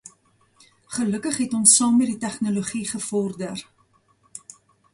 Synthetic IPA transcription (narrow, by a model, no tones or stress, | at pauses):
χələkəχɦɛtɔnsːɑːmːɛditæχnoloχiχəfɔrdər